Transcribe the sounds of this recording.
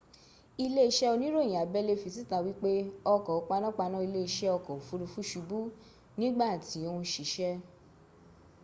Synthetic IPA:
i˧le˦i˧ʃɛ˦o˧nĩ˦ɾõ˦˨ĩ˨a˨bɛ˦le˦fi˧si˦ta˧˨wi˦k͡pe˦ɔ˧kɔ˨o˨˦k͡pa˧nã˦k͡pa˧nã˦i˧le˦i˧ʃɛ˦ɔ˧kɔ˨o˨fu˨˧ɾu˧fu˦ʃu˧bu˦ | nĩ˦ɡ͡ba˦˨ti˨˦o˧ũ˧ʃi˨ʃɛ˦

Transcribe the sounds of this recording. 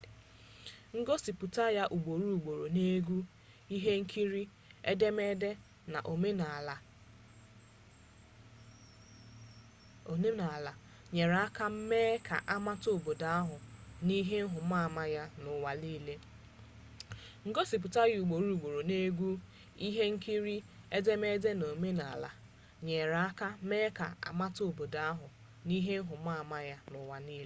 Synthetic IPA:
ŋ̩˦ɡo˦si˨pu˨ta˦ja˦ʔu˨ɡ͡bo˨ɾu˦u˨ɡ͡bo˨ɾo˨ne˦ɡʷu˦ | i˦ɦe˦ŋ̩˦kʰi˦ɾi˦ | e˦de˦me˦de˦ | na̰˨ʔo˨me˦na˨la˨ | o˨ne˦na˨la˨ | ɲe˨ɾa˦ka˦m̩˦meː˦kʰa̰˨ʔa˦ma˦to˦˨bo˨da˨a˦ɦʊ˨ni˦ɦe˦ŋ̩˦ɦʊ˨˦a˦˨ma˦ja˦nʊ˨wa˨liː˦le˦ | ŋ̩˨ɡo˦si˨p̬ʊ˨ta˦ju˨ɡ͡bo˨ɾu˦˨ɡ͡bo˨ɾo˨ne˦ɡʷu˦ | i˦ɦe˦ŋ̩˦ki˦ɾi˦e˦de˦me˦de˦no˨me˦na˨a̰˨la̰˨ | ɲe˨ɾa˦ka˦me˦ka̰˨a̰˨ma˦to˨bo˨da˨˦a˦ɦʊ˨ | ni˦ɦe˦ɦʊ˨˦m̩a˦˨ma˦ja˦nʊ˨wa˨ni˦le˦

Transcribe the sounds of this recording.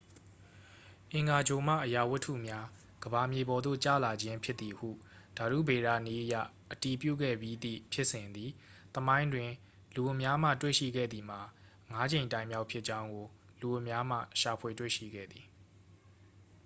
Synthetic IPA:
ʔɪ̃˨ŋɡa˨d͡ʑo˨m̥ä̰˦˨ʔəja˨wʊ˦tʰːṵ˦˨mja˦ | ɡ̥əba˨mje˨bɔ˨d̪o̰˦˨t͡ɕä̰˦˨la˨d͡ʑɪ̃˦mpʰjɪ˦t̪t̪ːi˨ʔhṵ˦˨ | d̥a˨ɾṵ˦˨be˨ɾä̰˦˨ni˦ʔəja̰˦˨ | ʔəti˨pjṵ˦˨ɡɛ̰˦˨bji˦d̪ḭ˦˨pʰjɪ˦ʔsɪ̃˨nd̪ði˨t̪əmã˦ɪ̃ndwɪ̃˨ | lu˨ʊ˨mja˦m̥ä̰˦˨twḛ˦˨ʃḭ˦˨ɡɛ̰˦˨d̪ði˨m̥a˨ | ŋa˨˦d͡ʑẽ˨ɪ̃ntã˨ɪ̃mja˦ʊpʰjɪ˦ʔt͡ɕã˦ʊ̃ŋɡo˨ | lu˨ʊ̃˨mja˦m̥ä̰˦˨ʃa˨pʰwe˨twḛ˦˨ʃḭ˦˨ɡɛ̰˦˨d̪i˨

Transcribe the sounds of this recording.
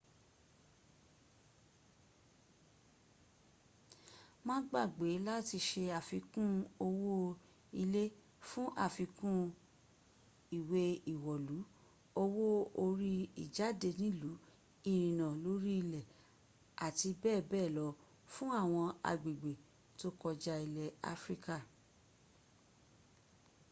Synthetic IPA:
mãː˦ɡ͡ba˦˨ɡ͡be˨˦la˦ti˧ʃe˧a˨fi˧kũ˦o˧wo˦ | i˧le˦ | fũ˦ʔa˦˨fi˧kũ˦ | i˨we˧i˨wɔ˨lu˨˦ | o˧wo˦o˧ɾi˦ḭ˨d͡ʒa˨˦de˧nĩ˨˦lu˨˦ | i˨ɾĩ˨nã˨lo˨˦ɾi˦i˧˨lɛ˨ | a˨ti˧bɛː˦˨bɛː˦˨lɔ˧˦ | fũ˦a˦˨w̃ɔ̃˧a̰˨ɡ͡bi˨ɡ͡be˨ | to˦kɔ˧d͡ʒa˧i˨lɛ˨a̰˦fɾi˦ka˦˨

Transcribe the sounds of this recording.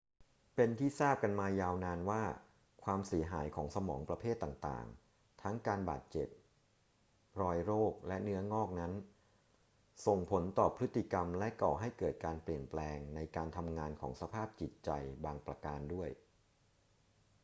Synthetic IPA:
pe˧nt̪ʰiː˥˩saː˥˩p̚ka˧nmaː˧jaː˧wnaː˧nwaː˥˩ | kʰwaː˧msi˨˩˦ɐɦaː˩˦jkʰɔː˩˦ŋsa˧mɔː˩˦ŋpɾa˧pʰeː˥˩t̪ːaː˨˩ŋt̪a̰ː˨˩ŋ | t̪ʰa˦˥ŋkaː˧nba̰ː˨˩t̪̚t͡ɕe˨˩p̚ | ɾɔː˧jɾoː˥˩k̚lɛ˦˥nɯ˦˥ɐŋɔː˥˩k̚na˦˥n | so˨˩ŋpʰo˩˦nt̪ɔː˨˩pʰɾɯ˦˥t̪ːi˨ka˧mlɛ˦˥kɔː˨˩ɦa˥˩jkɤː˨˩t̪̚kaː˧npli˨˩ənplɛː˧ŋna˧jkaː˧nt̪ʰa˧mŋaː˧nkʰɔ̰ː˩˦ŋsa˧pʰaː˥˩p̚t͡ɕi˨˩t̪̚t͡ɕa˧jbaː˧ŋpɾa˧kaː˧ndu˥˩əj

